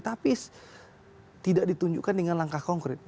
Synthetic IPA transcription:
t̪apis | t̪idak̚dit̪uɲd͡ʒṵkandəŋanlaŋkahkɔŋkɾɪt̪̚

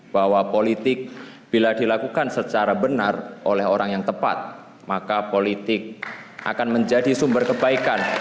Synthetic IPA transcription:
b̥awapolit̪ɪk̚b̥iladilakukansət͡ʃaɾabənarʔolɛɦoɾaŋjaŋt̪əpa̰t̪̚ | makapolit̪ɪk̚ʔa̰kanməɲd͡ʒadisumbərkəbaikan

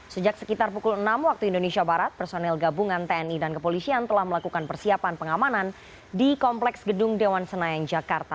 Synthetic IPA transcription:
səd͡ʒak̚sə̥kit̪arpukulənamwak̚t̪uindonesiabaɾat̪̚pərsonɛlɡabuŋant̪eɛnidankəpolisiant̪əlahməlakukanpərsiapanpəŋamanan | dikɔmplɛksɡədʊŋdewansənajand͡ʒakart̪a

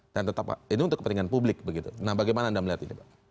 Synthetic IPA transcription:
d̥ant̪ət̪apa̰iniunt̪ʊkːəpənt̪iŋanpublɪk̚bəɡit̪unahbaɡajmanaːndaməliɦat̪inḭbaʔ

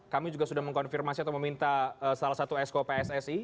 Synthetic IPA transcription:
kamid͡ʒuɡahsudahməŋkɔnfirmasiat̪awməmint̪aəsalahsat̪uɛskopeɛsɛsi

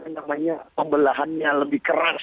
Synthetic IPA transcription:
anamaɲapəmbəlaɦanɲaləbɪhkəɾas

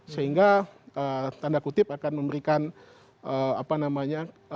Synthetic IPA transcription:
səɦiŋɡaʔət̪andakut̪ɪpakanməmbəɾikan | əa̰panamaɲa

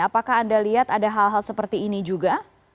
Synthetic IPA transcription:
apakaːndaliɦat̪adaɦalɦalsəpərt̪iːnid͡ʒuɡa

